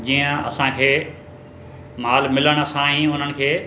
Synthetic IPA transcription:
d͡ʑiːə̃ɐ̰sãkʰeː | maːlmɪləɽ̃sãɦĩʊn̤ənɪ̆kʰeː

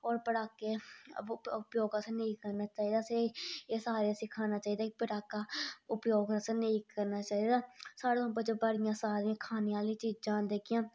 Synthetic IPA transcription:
ɔːɾpəɽaːkːeː | ʊpjoːɡasneĩːkəɾnaːt͡ʃaːiːd̪aːseeːsaːɾasɪːkʰaːnaːt͡ʃaːiːd̪aːkipəɽaːkːaːʊpjoːɡsneikəɾnaːt͡ʃaːiːd̪aːsaːɽeõːpət͡ʃːbəɽɪjãːsaːɾiãːkʰaːneːaːliːt͡ʃiːd͡ʒãːd̪eːkɪjãː

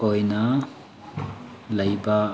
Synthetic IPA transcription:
ojnɐ | lɐjba

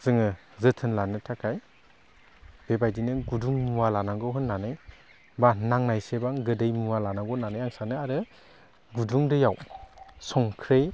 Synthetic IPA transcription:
z̥ɯŋɯ | zɯtʰɯnlanɯtʰakʰaj | b̥ebajdinɯɡuduŋmuwalanaɡɔɦɯnːanɯj | banaŋnajsebaŋɡɯdɯjmuwalanaɡɔnanɯjaŋsanɯaɾɯ | ɡuduŋdɯjawsɔŋkʰɾɯj

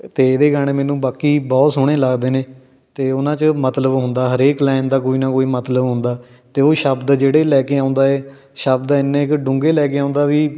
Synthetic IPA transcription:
t̪eːd̪eːɡaːɽ̃eːmɛːnũːbaːkiːbɔːt̪sʊɽ̃eːlaɡd̪eːneː | t̪eːʊnãːt͡ʃəmət̪ləbɦʊ̃nd̪aːɦəɾeːklɛːnd̪aːkoːiːnaːkoːiːmət̪ləbɦʊ̃nd̪aː | t̪eːoːʃəbd̪d͡ʒeːɽeːlɛːkeːãːnd̪aːɛː | ʃəbd̪ɪnːẽːɪkɖʊ̃ŋɡeːlɛːk̬eːãːʊnd̪aːʋiː

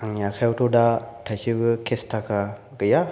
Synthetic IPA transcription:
aŋjakʰajwtʰɔdatʰajsɯbɯkʰestʰakʰa | ɡɯja

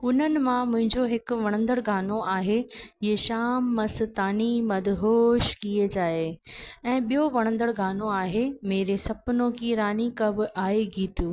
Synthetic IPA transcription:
ʊn̤ənɪ̆mãmʊ̃ɦɪ̃ɲd͡ʑoɦɪkʊ̆ʋɐɽ̃ə̃nd̪əɽɡaːnoaːɦeeʃaːmːɐst̪aːnimɐd̪ʱɦoːʃkied͡ʑaːeɛ̃ːɓijoʋɐɽ̃ə̃nd̪əɽɡʱaːnoaːɦemeːɾesɐpnõkʰiɾaːnikɐbʱɪʔaːeɡʱiːt̪uː

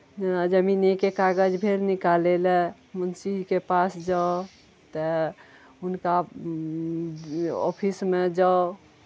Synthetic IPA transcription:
d͡ʒenad͡ʒəminikekaɡəd͡ʒbʱeɾnikalelɛ | mənsid͡ʒkepasd͡ʒao | t̪ə | unka | ɔ̰pʰismed͡ʒao

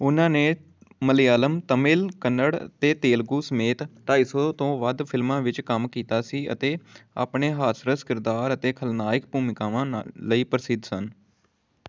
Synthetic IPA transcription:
ʊnãːneː | məlɪjaːləmt̪əmɪlkənːəɽt̪eːt̪eːlɡuːsəmeːt̪ʈaːiːsoːt̪õːʋəd̪pʰɪlmãːʋɪt͡ʃkəmkiːt̪aːsiːʔə̰t̪eːa̰ːpɳeːɦaːsɾəskɪɾd̪aːɾət̪eːkʰəlnaːɪkpuːmɪkaːʋãːnləiːpəɾsɪd̪sən

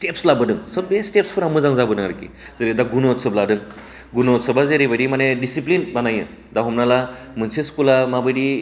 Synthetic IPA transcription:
sʈepslabɯdɯŋsəbestepspʰɯɾamɯzaŋzabɯnɯŋaɾkḭ | zeɾid̪aɡunotsəbladɯŋ | ɡunɔtsəbazeɾibaɽimanedisiplinbanajɯ̰ | d̪aɦumnala | mɯnsʰeskulamabɯdi

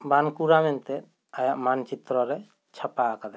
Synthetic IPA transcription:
bankuɾamɛnt̪ɛ | ajaʔmant͡ʃit̪ɾɔɾɛ | t͡ʃʰapaakad̪a

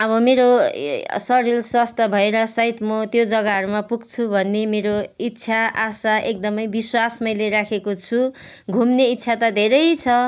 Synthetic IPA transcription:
ʌbʌmeɾo | sʌɾilswast̪ʰʌbʱʌeɾʌsʌit̪mʌt̪jod͡zʌɡaɦʌɾumapuɡt͡sʰubʱʌnːemeɾoit̪ːsʰaʔasaʔek̚d̪ʌmʌjbiswasmʌjleɾakʰekot͡sʰu | ɡʱumneit̪ːsʰat̪ʌd̪ʱeɾʌjt͡sʰʌ

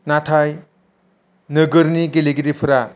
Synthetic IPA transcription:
natʰaj | nɯɡɯɾniɡeleɡiɾipʰuɾa

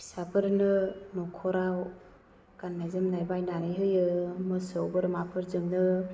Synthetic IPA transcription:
isapʰɯɾnɯnɔkʰɔɾaw | kanːazɯmnajbajnaɾɯjɦɯjɯmɯsɯwbɯɾmapʰɯɾzɯmnɯ

